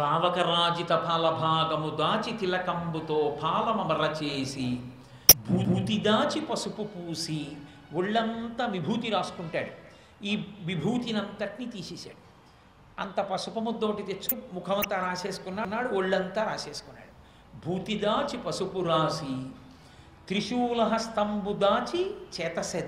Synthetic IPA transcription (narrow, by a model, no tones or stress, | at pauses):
paːʋɐkɐɾaːd͡ʒit̪ɐpʰaːlɐbʱaːɡɐmud̪aːt͡ʃit̪ilɐkɐmbut̪oːpʰaːlɐmɐmɐɾɐt͡ʃeːsi | bʱuːuːt̪id̪aːt͡ʃipɐsupupuːsi | oɭːɐnt̪aːʋibʱuːt̪iɾaːsu̥kuɳʈa̰ːɽu | iːʋibʱuːt̪inɐnt̪ɐʈnit̪iːsiːsa̰ːɽu | ɐ̰nt̪ɐpɐsupɐmud̪oːʈit̪et͡ʃːumukʰɐmɐnt̪aːɾaːʃeːsu̥kunːaːnːaːɽuoɭːɐnt̪aːɾaːseːsu̥kunːa̰ːɽu | bʱuːt̪id̪aːt͡ʃipɐsupuɾaːsi | t̪ɾiʃuːlɐɦɐst̪ɐmbud̪aːt͡ʃit͡ʃɛːt̪ɐsɐd̪